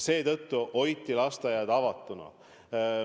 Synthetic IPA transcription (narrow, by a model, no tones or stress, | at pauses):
se̞ːt̪ɤt̪ːuʔo̞jt̪ːilɑst̪ɑjɑd̪̥ɑvɑt̪ːˑunɑ̰